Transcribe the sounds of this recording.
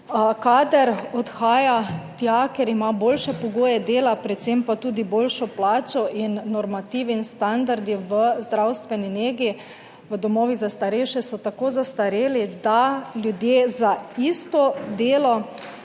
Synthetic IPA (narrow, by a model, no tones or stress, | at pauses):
kad̪ɛɾɔt̪xaːjat̪jakɛɾimaboːlʃɛpɔɡoːjɛd̪eːlapɾɛt̪t̪sempat̪uːd̪iboːlʃɔplaːt͡ʃɔʔinːɔɾmat̪iːʋinst̪and̪aɾd̪iʋəzd̪ɾawst̪ʋɛnineːɡi | ʋəd̪ɔmɔːʋizast̪aɾɛjʃɛsɔt̪akoːzast̪aɾeːlid̪aljud̪jeːzaist̪ɔd̪eːlɔ